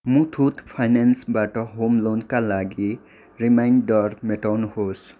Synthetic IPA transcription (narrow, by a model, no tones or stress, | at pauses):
mũt̪ʰut̪pʰajnansbaʈɔɦomlonkalaɡi | ɾimajnɖɖɔɾmeʈɔnhos